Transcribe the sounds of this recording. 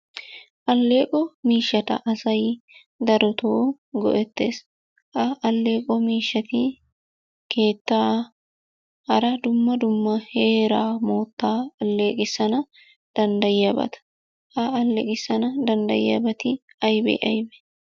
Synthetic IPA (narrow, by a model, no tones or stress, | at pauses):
ʔɐlːe̞ːkʼɔmiːʃɐt̪ɐ̰ʔɐsɐj | d̪ɐɾɔt̪ʰoː | ɡɔ̰ʔɛt̪ːḛːs | ʔɐɐlːe̞ːkʼɔmiːʃːɐt̪ɪ | kʰe̞ːt̪ːaː | hɐɾɐd̪ʊmːɐd̪ʊmːɐhe̞ːɾaːmoːt̪ːaːɐlːe̞ːkʼɪsɐnɐ | d̪̥ɐnd̪ɐjɐbɐ̰t̪ɐ̥ | hɐɐlːḛkʼɪsɐnɐd̪ɐnd̪ɐ̰jɐ̰bɐt̪ɪ | ɐjbɛ̰ʔɐjbɛ̥